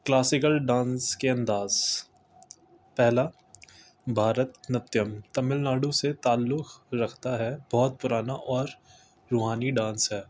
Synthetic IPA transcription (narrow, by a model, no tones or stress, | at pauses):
klaːsɪkəlɖãːnskeɐ̃nd̪aːz | pɛɦla | bʱaːɾət̪nɐt̪jəmt̪ɐmɪlnaːɽõset̪aːlːʊkɾɐkʰt̪aɦɛbɔːt̪̚pʊɾaːnaʔɔːɾ | ɾoːɦaːniɖãːnsɦɛː